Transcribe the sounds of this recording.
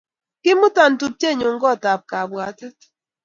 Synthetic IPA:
kɪ˦mʊ˦ta˨n˨tu˨p̚te˦˨ɲo˨ŋ̩˦ɡɔ˦˨ta˨p̚ka˨bwa˨˦tɛ˦t

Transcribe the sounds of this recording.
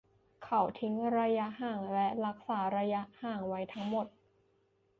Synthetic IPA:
kʰa˨˩wt̪ʰi˦˥ŋɾa˧ja˦˥haː˨˩ŋlɛ˦˥ɾa˦˥k̚saː˩˦ɾa˧ja˦˥ʔhaː˨˩ŋwa˦˥jt̪ʰa˦˥ŋmo˨˩t̪̚

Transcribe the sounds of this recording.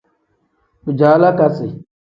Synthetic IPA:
ku˨d͡ʒaː˨˦la˦ka˨si˨

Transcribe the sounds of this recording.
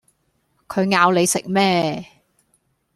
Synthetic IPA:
kʰɵ˨˧ɥŋaː˨˧wle˨˧jsɪ̰˨k̚mɛː˥

